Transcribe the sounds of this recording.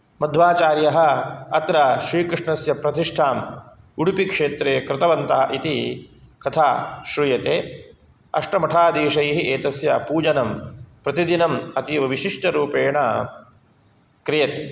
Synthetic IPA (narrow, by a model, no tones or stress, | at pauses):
mɐd̪ʱʋaːt͡ʃaːɾjɐɦɐ̆ɐt̪ɾɐʃɾiːkɾɪʂɳɐsjɐpɾɐt̪iʂʈʰaːm | uɽupikʂeːt̪ɾeːkɾɪt̪ɐʋɐnt̪ɐɦɐ̰ʔit̪ikɐt̪ʰaːʃɾujɐt̪eː | ɐ̰ʂʈɐmɐʈʰaːd̪iːʃɐjɦiʔeːt̪ɐsjɐpuːd͡ʒɐnɐmpɾɐt̪id̪inɐmɐt̪iʋɐʋiʃiʂʈɐɾuːpeːɳɐ | kɾijɐt̪i